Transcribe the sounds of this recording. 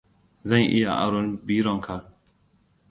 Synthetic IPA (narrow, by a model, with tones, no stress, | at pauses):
zɐ˦˨ŋʔɪ̰˦ja˨ʔa̰˨ɽɔ˦nbiː˦ɽɔ˨ŋkʰa˨